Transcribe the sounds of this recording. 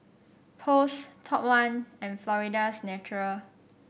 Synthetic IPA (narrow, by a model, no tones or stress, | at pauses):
pʰostʰɔpwãnɛ̃nflɔɹidasnɛt͡ʃuɹəl